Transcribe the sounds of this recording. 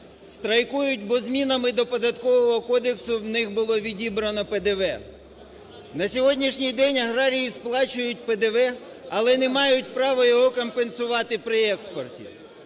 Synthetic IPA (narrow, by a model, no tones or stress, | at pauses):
st̪ɾɐjkujʊt̚ʲbɔzmʲinɐmɪd̪ɔpɔd̪ɐt̪kɔʋɔɦɔkɔd̪eksʊwnɪxbʊlˠɔʋʲidʲibɾɐnɔped̪eʋɛ | nɐsʲɔɦɔdʲnʲiʃnʲijd̪ɛnʲɐɦɾɑɾʲijisplˠɑt͡ʃʊjʊt̚ʲped̪eʋɛ | ɐlˠɛnɛmɑjʊtʲpɾɑʋɔjɔɦɔkɔmpensʊʋɑt̪ɪpɾɪɛkspɔrtʲḭ